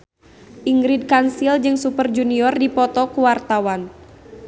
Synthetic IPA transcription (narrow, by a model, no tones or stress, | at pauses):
ʔiŋɡɾid̚kansild͡ʒɨŋsupərd͡ʒuniɔrdipɔt̪ɔkuwart̪awan